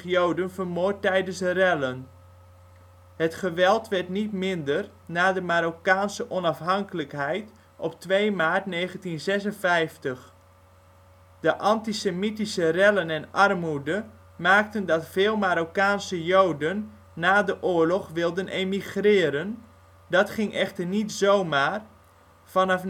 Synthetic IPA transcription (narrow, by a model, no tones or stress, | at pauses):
jowdənvərmoːtːɛjdənsərɛlən | hətχəʋɛlˠtʋɛrtnitmɪndər | naːdəmaɾokaːnsəʔɔnɑfɦɑŋkələkɦɛjt | ʔɔptʋejmaːrtneːχəntinzɛsənfɛjftəχ | d̥əʔɑntisemitisərɛlənɛnɑrmudə | maːk̚təndɑtfɪːlˠmaɾokaːnsəjowdənː | aːdəʔʊːəɹlɔχʋɪlˠdənʔejmiχrɪːɾən | dɑtχɪŋʔɛχtərnitzowmaːr | fɑnɑf